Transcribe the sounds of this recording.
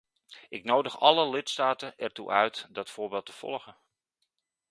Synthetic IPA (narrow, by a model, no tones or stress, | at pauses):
ʔɪknowdəχɑləlɪtstaːtəʔɛɹtṵʔœɥtdɑtfʊːɹbeːlˠtəv̥ɔ̰lˠχə